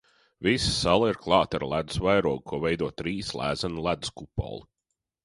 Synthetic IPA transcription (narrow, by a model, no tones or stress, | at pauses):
visḁsalˠiɾklˠɑːt̪aɾlˠæd̪svajɾuɔɡ̚kʰuɔvɛjd̪uɔt̪ɾiːslˠæ̰ːzanlˠæd̪skupɔ̰lˠi